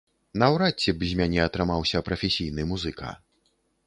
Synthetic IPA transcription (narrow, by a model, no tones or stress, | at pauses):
nɐwɾat͡sʲːɛbzʲmʲanʲɛɐt̪ɾɨmawsʲɐpɾɐfʲesʲijn̪ɨmuzɨkʰa̰